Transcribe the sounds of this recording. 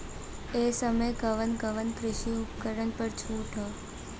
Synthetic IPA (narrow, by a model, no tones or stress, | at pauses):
esəməjɡəʋənɡəʋənkɾɪʃiʊpkəɾənpəɽt͡ʃʰuʈʰo